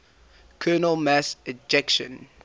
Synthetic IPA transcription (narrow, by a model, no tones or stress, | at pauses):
kʰɜːnəlˠmæsəd͡ʒɛkʃə̰̃n